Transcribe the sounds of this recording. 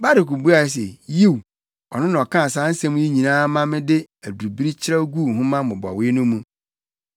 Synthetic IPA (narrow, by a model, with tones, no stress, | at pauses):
ba˦ɾɪ˨ku˨bu˦a˨s̬ḛ˨ji˦˨w | ɔ̰˨nʊ̃˦nã˨ɔ˨kʰã˦˨sãː˨˦n̩˦sɛ̃˦mũ˦i˦ɲĩ˨nãː˦mã˦mɪ̃˦dɪ˦ | æ˨du˨u˨bi˦ɾi˦t͡ɕʰɪ˦ɾa˦ɡu˦˨ɦʊ̃˦mã˦mʊ̃˨bɔ˨a˨wɪ˦nʊ̃˦mũ˦